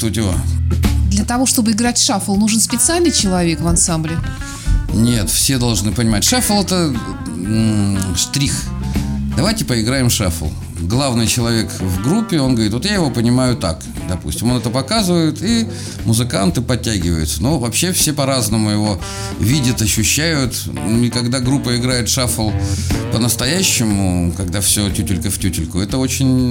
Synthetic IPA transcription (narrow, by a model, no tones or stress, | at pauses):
t̪otʲɪa̰d̪lʲɐət̪ɐvo̞ʂt̪o̞bɨɪɡɾatʲʂafəlˠnuʐɨnspʲɪt̪sɨalʲnɨjt͡ɕɪlˠɐvʲe̞kvɐnsamblʲɪ | nʲe̞t̪fsʲe̞d̪ɐlˠʐnɨpənʲɪmatʲʂɛfəlˠɛt̪ə | st̪ɾʲix | d̪ɐvajtʲɪpəɪɡɾajɪmʂa̰fə̰lˠ | ɡlˠavnɨjt͡ɕɪlˠɐvʲe̞kvɡɾupʲːɪo̞nɡəɐvɾʲit̪ot̪jajɪvo̞pənʲɪmajʊt̪a̰k | d̪ɐpṵsʲtʲɪmo̞nɛt̪əpɐkazɨvəjɪt̪i | mʊzɨkant̪ɨpɐtʲːæɡʲɪvə̰jʊt̪sənovɐpɕːe̞fsʲe̞pɐɾaznəmʊjɪvo̞ | vʲidʲət̪ɐɕːʉɕːæjʊt̪ | ɪkɐɡd̪aɡɾupːəɪɡɾajɪt̪ʂafəlˠpənəst̪ɐjæɕːɪmʊkɐɡd̪afsʲɵtʲutʲɪlʲkəftʲutʲɪlʲkʊɛt̪əo̞t͡ɕɪnʲ